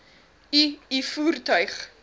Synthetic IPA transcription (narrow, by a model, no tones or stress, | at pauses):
iifuːrtœɥχ